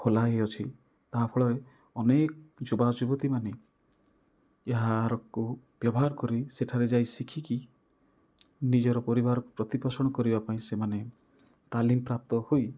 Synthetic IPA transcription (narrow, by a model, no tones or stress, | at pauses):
kʰolaeɔt͡ʃʰi | t̪aɦpʰɔɭɔɾe | ɔnekɔd͡ʒubad͡ʒubɔt̪imane | eɦaɾɔku | b̥jɔbɔɦaɾɔkɔɾiseʈʰaɾed͡ʒajsikʰiki | nid͡ʒɔɾɔpɔɾibaɾɔkupɾɔt̪ipɔsɔɽ̃ɔkɔɾibapaĩsemane | t̪alimpɾap̚t̪ɔhoj